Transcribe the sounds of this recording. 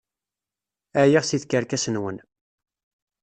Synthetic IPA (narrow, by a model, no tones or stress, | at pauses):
æjiʁsiθkəɾkæsənwən